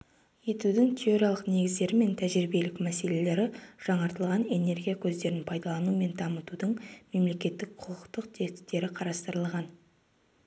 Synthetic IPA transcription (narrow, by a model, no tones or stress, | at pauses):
je̞t̪ud̪ɪŋt̪ʰʲeoɾijɑlˠəqne̞ɡʲɪzd̪e̞ɾɪme̞nt̪ʰæʒɾibe̞lɪkmæse̞le̞le̞ɾɪʒ̥ɑɴɑɾt̪əlˠʁɑne̞ne̞ɾɡʲijakʲʰɵzd̪e̞ɾɪnpʰɑjd̪ɑlˠɑnume̞nd̪ɑmət̪ud̪əɴme̞mle̞kʲe̞t̪ːɪk̚qʰʊqʰəqt̪əq̚t̪ʰe̞ɪ̥t̪ːe̞ɾɪqʰɑɾɑst̪əɾəlˠʁɑn